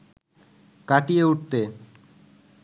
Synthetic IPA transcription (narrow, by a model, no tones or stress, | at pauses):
kaʈieuʈ̚t̪e